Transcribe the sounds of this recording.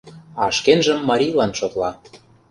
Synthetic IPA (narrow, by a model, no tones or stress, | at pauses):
ɑʃkenʒə̆mːɑɾʲijlɑnʃot̪lɑ